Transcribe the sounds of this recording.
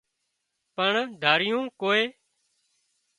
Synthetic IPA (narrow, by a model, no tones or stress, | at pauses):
pəɳd̪ʱaːɾɪjũːkoːeː